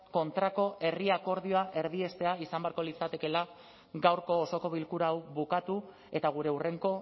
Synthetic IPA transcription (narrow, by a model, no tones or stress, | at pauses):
ko̞nt̪ɾako̞ʔe̞riako̞ɾð̞io̞aʔe̞ɾðie̞st̪e̞aisambe̞aɾko̞lit͡sat̪e̞ke̞la | ɡawɾko̞ːso̞ko̞β̞ilkuɾawβukat̪u | e̞t̪aɣ̞uɾe̞ure̞ŋko̞